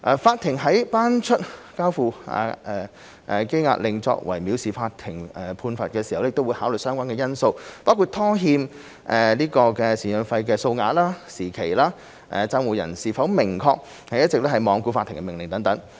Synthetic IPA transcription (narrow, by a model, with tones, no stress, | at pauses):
ʔɛː˧˩faː˧t̪ʰːɪ˨˩ŋɦɐ˨˥jpaː˥nt͡ʃʰɵ˥t̚kaː˥wfuː˧a̰ː˧˩ʔɛː˧˩ | ʔke˥jŋa̰ː˧˥lɪ˨˩ŋt͡sɔ̰˧k̚wɐ̰˨˩jmi˨˥wsiː˨˩faː˧t̚t̪ʰɪ˨˩ŋɛː˨˩pʰuː˧nfɐ˨t̚kɛː˧si˨˩hwlɛ˥˨kt̪wːjhaː˨˥wlɵ˨˩sœː˥ŋkʷwaː˥nkɛː˧jɐ˥nso˧wpaː˥wkʰu˧˩t̪ʰːɔː˥ɦiː˧m | ʔɛ˨˧liː˥kɔː˧kɛː˧siː˨˩njœ˨˧nfɐ˧jkɛː˧so˧wŋaː˧t̚laː˥siː˨˩kʰe˨˩jlaː˥ | ʔɛ̰˨˧t͡sa˥ŋwuː˨jɐ̰˨˩nsiː˨˩fɐ˨˥wmɪ˨˩ŋkʰɔː˧k̚ | hɐ˨jɐ˥t̚t͡sɪ˨k̚lɛː˥hɐ˨jmɔː˨˧ŋkuː˧faː˧t̪ʰːɪ˨˩ŋkɛ˧mɪ˨˩ŋlɪ˨˩ŋt̪ɐ˨˥ŋt̪ɐ˨˥ŋ